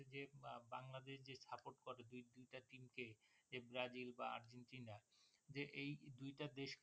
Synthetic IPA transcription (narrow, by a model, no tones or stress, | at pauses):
ed͡ʑebaŋlad̪eʃd͡ʑeʃapoʈkoɾed̪ujd̪ujʈaʈimked͡ʑebɾad͡ʑilbaa̰ɾd͡ʑenʈinad͡ʑeʔejd̪ujʈad̪eʃk